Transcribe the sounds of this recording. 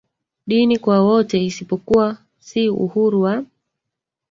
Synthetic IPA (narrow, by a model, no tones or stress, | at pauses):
ɗinikwawɔtɛisipɔkuwa | siṵhuɾuwa